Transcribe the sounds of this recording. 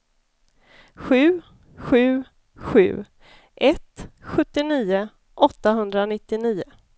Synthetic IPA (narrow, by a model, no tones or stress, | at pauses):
ɧʉ̟ː | ɧʉ̟ː | ɧʉ̟̰ː | ʔɛt̪ɧɵt̪ːɪniːʊ | ʔɔt̪ːaɦɵnd̪ɾanɪt̪ːɪniːʊ